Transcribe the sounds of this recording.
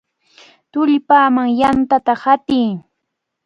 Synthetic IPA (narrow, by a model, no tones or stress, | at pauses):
t̪ʊʎpaːmaŋjant̪at̪ahat̪ɪː